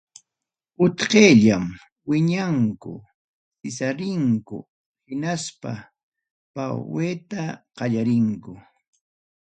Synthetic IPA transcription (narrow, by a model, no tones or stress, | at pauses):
ʊt̪qeːʎam | wɪɲaŋkʊ̰ | sɪsaɾɪŋkʊ̰ | hɪnaspa̰ | pawweːt̪aqɑʎaɾɪŋkʊ